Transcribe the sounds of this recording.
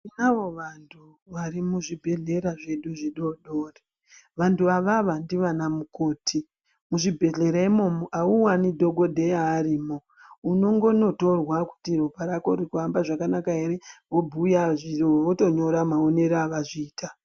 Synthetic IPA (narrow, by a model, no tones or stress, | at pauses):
inaʋo̞ʋantʰu | ʋaɾimuʐibʱe̞ɮe̞ɾaʐe̞ɗuʐiɗo̞ɗoːre | ʋantuaʋaʋandiʋanamukoːtʰi | muʐibʱe̞ɮe̞ɾaimo̞moʔauwanidʱo̞ɡo̞dʱe̞jaːriːmo | uno̞ŋɡo̞no̞to̞rwaku̥tiropaɾako̞rikuambaʐakanakae̞ɾeʋo̞bʱujaʐioʋoto̞ɲo̞ɾamaone̞ɾaʋaʐiːta